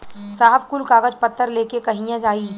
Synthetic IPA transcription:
saːɦəbkulkaːɡəd͡ʒpɐt̪ʰːəɾleːkekɐɦĩjãd͡ʒaːiː

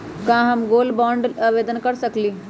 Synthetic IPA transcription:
kãːɦɐmɡoːlbɔ̃ːɳɖaʋeːd̪ənkɐɾsɐkliː

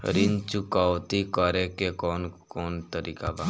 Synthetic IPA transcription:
ɾɪnt͡ʃʊkawt̪ikəɾekekɔːnkɔːnt̪əɾiːkaba

